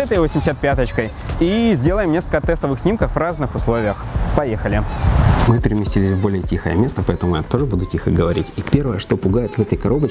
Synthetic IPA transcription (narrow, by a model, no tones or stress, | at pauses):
ɛt̪əjvosʲɪmdʲɪsʲat̪̚pʲat̪ət͡ɕkəj | izʲdʲe̞lˠəjɪmnʲeskəlʲkət̪ɛst̪əvɨxsʲnʲimkəxvraznɨxʊslˠo̞vʲɪjəxpɐjexəlʲɪmɨpʲɪɾʲɪmʲɪsʲtʲilʲɪsʲvbo̞lʲɪjətʲixə̰jə̰mʲe̞st̪əpɐɛt̪əmʊjɛt̪o̞ʐɨbud̪ʊtʲixəɡəvɐɾʲitʲipʲe̞rvəjəʂt̪o̞pʊɡajɪt̪vɛt̪əjkɐɾo̞bə